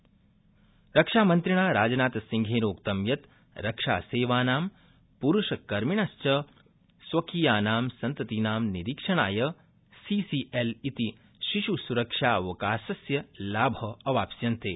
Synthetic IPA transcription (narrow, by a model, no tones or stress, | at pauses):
ɾɐkʂaːmɐnt̪ɾiɳaːɾaːd͡ʒɐnaːt̪ɐsiŋɡʱeːɾoːkt̪ɐmjɐt̪ | ɾɐkʂa̰ːseːʋaːnaːm | puɾuʃɐkɐɾmiɳɐst͡ʃɐ | sʋɐkiːjaːnaːmsɐnt̪ɐt̪inaːmniɾikʂɐɳa̰ːjɐ | siːsiʔelit̪i | ʃiʃusuɾɐkʂaːʋɐkaːsɐsjɐlaːbʱɐːʋaːpsjɐnt̪eː